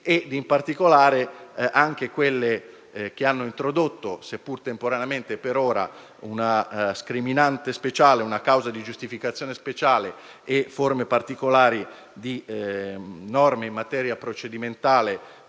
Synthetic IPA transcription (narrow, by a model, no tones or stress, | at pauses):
ed̪impart̪ikolaːɾeʔaŋk̟ekwelːe | k̟eanːoint̪ɾod̪ot̪ːosepːurt̪empoɾaneament̪epeɾoːɾa̰ | unaskɾiminant̪espet͡ʃaːleunakawzad̪id͡ʒust̪ifikat̪sːjoːnespet͡ʃaːle | eformepart̪ikolaːɾi | d̪i | nɔrmeimːat̪ɛːɾjapɾot͡ʃed̪iment̪aːle